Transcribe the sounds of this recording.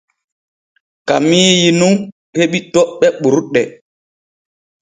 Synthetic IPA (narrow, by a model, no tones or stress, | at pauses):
kamijinuŋ | heɓitɔʔɓɛɓuɾɗɛ